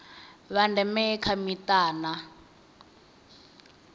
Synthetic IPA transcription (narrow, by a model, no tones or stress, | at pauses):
βandɛmɛkʰamitaːna